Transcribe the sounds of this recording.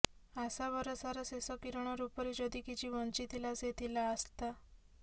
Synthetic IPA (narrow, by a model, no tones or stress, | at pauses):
asaʋəɾɔsaɾasesɔkiɾɳ̃ɔɾupəɾid͡ʑɔd̪ikit͡ɕiʋənt͡ɕit̪ilaset̪ilaəst̪a